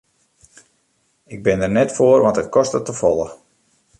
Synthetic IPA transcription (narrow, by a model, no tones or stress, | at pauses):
ɪɡ̚bɪndərnɛtfoərʋɑntət̚kʰɔstətəfɔlˠə